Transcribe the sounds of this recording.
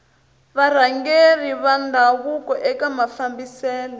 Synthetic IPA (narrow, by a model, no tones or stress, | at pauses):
βaɾ̤aŋɡeriβandʱaβukɔʔɛkamafambisɛːlɔ